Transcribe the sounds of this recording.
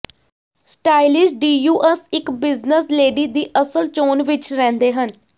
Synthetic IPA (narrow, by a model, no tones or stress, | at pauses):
sʈaːɪlɪsɖiːjuːʔɛsɪkbɪznəsleːɖiːd̪iːʔəsəlt͡ʃoːnʋɪt͡ʃɾɛ̃ːnd̪eːɦən